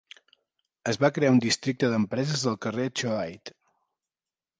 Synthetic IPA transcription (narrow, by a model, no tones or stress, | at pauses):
əzβakɾeaund̪ist̪ɾik̚t̪əðəmpɾɛzəzðəlˠkəret͡ʃoajt̪